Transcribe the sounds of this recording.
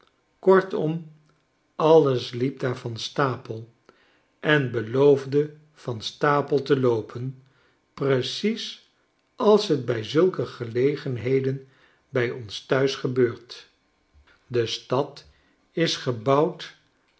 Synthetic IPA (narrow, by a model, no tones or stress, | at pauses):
kɔɹtɔm | ɑləslip̚daːɹvɑnstaːpəlˠ | ʔɛnbəlowvdə | v̥ɑnstaːpəlˠtəlowpʰən | prəsis | ʔɑlˠsɦəd̚bɛjzɵlˠkəχəlejχənɦejdən | bɛjɔnstœɥsχəbøːɹt | dəstɑt | ɪsχəbɑwt